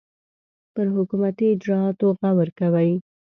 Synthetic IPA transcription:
pəɾɦʊkumat̪iɪd͡ʒɾɑɑt̪oɣawəɾkawəj

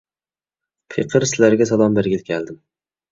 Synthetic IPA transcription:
pʰeqʰɨɾsɪlaɾɡʲasalˠɒmbɪɾɡʲɪlkʲʰald̪ɪm

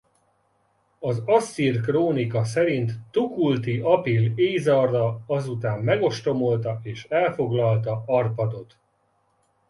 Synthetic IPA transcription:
ɒzɒsːirkroːnikɒsɛɾint̪ːukult̪iɒpileːzɒrdɒɒzut̪aːmːɛɡo̞ʃt̪o̞mo̞lt̪ɒeːʃɛlfo̞ɡlɒlt̪ɒɒrpɒd̪o̞t̪

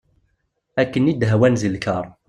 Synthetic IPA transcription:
ækːənid̪ɦæwænzəlkəɾˤ

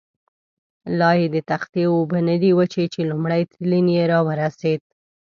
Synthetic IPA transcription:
lɑjed̪ət̪axt̪jeobənəd̪iwət͡ʃet͡ʃelumɽajt̪linjeɾɑwəɾased̪̚

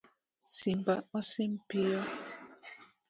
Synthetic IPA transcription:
simbaɔsim̩piɔ

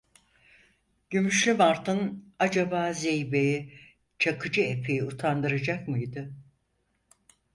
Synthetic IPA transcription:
ɟ̥ymyʃlʲymaɾt̪ʰɯnad͡ʒabaːzejbei | t͡ʃʰakʰɯd͡ʒɯepʰejiut̪ʰand̪ɯɾad͡ʒakmɯjd̪ɯ

